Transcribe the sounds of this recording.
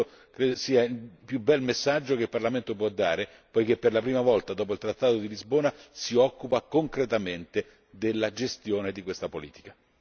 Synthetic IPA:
o | kɾesiːailpjubɛlmesːad͡ʒːokeilparlament̪op̬wɔd̪ːaːɾe | pɔjkepːerlapɾiːmavɔlt̪ad̪ɔːp̬oilt̪ɾat̪ːaːt̪od̪ilizboːnasiɔkːupakoŋkɾet̪ament̪e | d̪elːad͡ʒest̪joːned̪ikwest̪apolḭːt̪i̥ka

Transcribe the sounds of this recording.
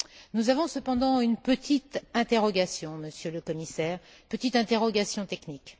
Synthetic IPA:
nuzavɔ̃səpɑ̃d̪ɑ̃ynpət̪ʰit̪ɛ̃t̪eʁɔɡasjɔ̃məsjøləkɔmisɛːʁ | pət̪it̪ɛ̃t̪eʁɔɡasjɔ̃t̪ɛknik

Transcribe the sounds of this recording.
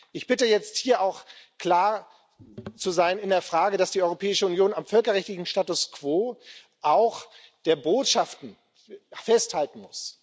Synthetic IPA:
ʔɪçb̥ɪtəjɛt͡sthiːɐʔaʊxkl̥aːɐ | t͡suzaɪnɪndeːɐfʁ̥aːɡədasd̥iːɔʏʁopʰɛːɪʃəʊnjoːnamfœlkɐʁɛçtlɪçn̩ʃtaːtʊskv̥oː | ʔaʊxd̥eːɐboːtʃaftn̩ | fɛsthaltn̩mʊs

